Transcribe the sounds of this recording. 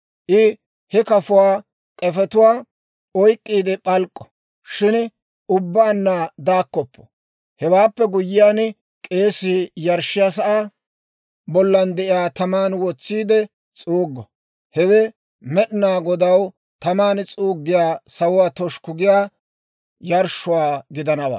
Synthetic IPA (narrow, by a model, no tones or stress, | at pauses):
ʔɪ | hɛkɐfʊwaː | kʼɛfɛt̪ʊwaː | ɔjkʼːiːd̪ɛpʼɐlkʼːɔ̥ | ʃɪn | ʊbːaːnːad̪aːkːɔpːɔ̥ | hɛwaːpːɛɡʊjːɪjaːn | kʼe̞ːsɪjɐɾʃɪjas̬ɐʔaː | bɔlːɐnd̪ɛʔɪjaːt̪ɐmaːnwɔt͡sːiːd̪ɛ | t͡sʼuːɡːɔ | hɛwɛ | mɛɗɪnaːɡɔd̪ɐw | t̪ɐmaːnt͡sʼuːɡːɪjaːsɐwʊwaːt̪ɔʃkʊɡɪjaː | jɐɾʃʊwaːɡɪd̪ɐnɐwa̰ː